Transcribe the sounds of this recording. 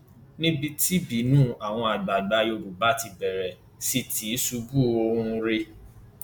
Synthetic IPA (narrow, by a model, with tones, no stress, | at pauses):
nĩ˦bi˧ti˦bi˨˦nũː˦a˨w̃ɔ̃˧a˨ɡ͡ba˨ɡ͡ba˧jo˧ɾu˨ba˨˦ti˧bɛ˨ɾɛ˨ | si˦tʰi˨˦su˧bu˦o˧hũ˧ɾe˧